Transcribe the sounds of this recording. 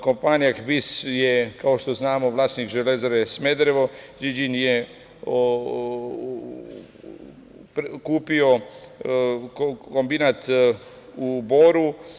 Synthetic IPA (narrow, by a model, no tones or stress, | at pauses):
kompaːnijakbisjekaoʃt̪oznaːmo̞ʋlaːsnikʒelezaɾesmed̪ɾeʋod͡ʒid͡ʒinje | o | pkuːpio | ko̞mbinat̪ | uboɾu